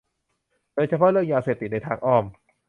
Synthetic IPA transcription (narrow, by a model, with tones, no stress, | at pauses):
d̥oː˧jt͡ɕʰa˧pʰɔ˦˥˦ɾɯ˥˩əŋjaː˧seː˨˩p̚t̪i˨˩na˧jt̪ʰaː˧ŋʔɔː˧˩m